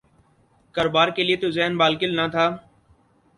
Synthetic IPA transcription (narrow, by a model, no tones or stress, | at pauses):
kəɾoːbaːɾkeːlɪeːt̪oːzɛɦnbaːlkɪlnat̪ʰaː